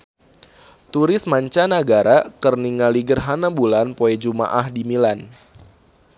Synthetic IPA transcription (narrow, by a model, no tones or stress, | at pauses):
t̪uɾɪsmaɲt͡ʃanaɡaɾakərniŋaliɡərɦanabulanpoɛd͡ʒuma̰ʔahdimilan